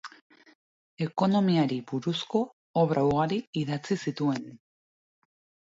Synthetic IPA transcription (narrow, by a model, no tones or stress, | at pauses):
e̞ko̞no̞miaɾibuɾusko̞ | oβɾʔawɣ̞aɾiiðat͡sisit̪ue̞n